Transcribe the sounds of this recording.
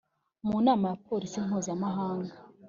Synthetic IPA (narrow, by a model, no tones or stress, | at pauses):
munaːmajapo̞ːɾisim̥huːzamaɦaːŋɡa